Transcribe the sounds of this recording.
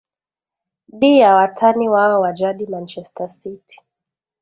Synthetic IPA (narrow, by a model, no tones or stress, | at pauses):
ɗijawatʰaniwaɔwad͡ʒaɗimant͡ʃɛstasiti̥